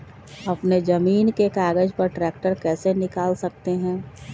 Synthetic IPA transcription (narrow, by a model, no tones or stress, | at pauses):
ɐpned͡ʒɐmiːnkekaːɡəd͡ʒpɐɾʈɾɛːkʈəɾkɛːsenɪkaːlsɐk̚t̪eɦɛ̃ː